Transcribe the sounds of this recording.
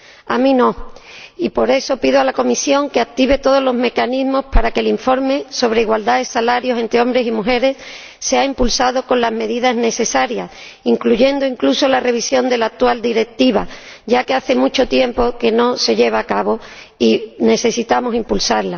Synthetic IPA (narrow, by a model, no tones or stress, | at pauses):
amĩno̞ipo̞ɾe̞so̞piðoalako̞misjo̞ŋke̞ak̚t̪iβe̞t̪o̞ð̞olo̞zme̞kanizmo̞spaɾake̞liɱfo̞ɾme̞so̞β̞ɾeiɣwald̪aðesalaɾjo̞se̞nt̪ɾeo̞mbɾe̞simuxe̞ɾe̞sː | eaimpulsað̞o̞ko̞nlazme̞ðiðazne̞se̞saɾjas | iŋkluʝe̞nd̪oiŋkluso̞lare̞β̞isjo̞nd̪e̞laːk̚t̪wald̪iɾe̞k̚t̪iβ̞a | ɟ͡ʝake̞aθe̞mut͡ʃo̞t̪je̞mpo̞ke̞no̞se̞ʎe̞β̞aːkaβo̞ | ine̞se̞sit̪amo̞simpulsaɾla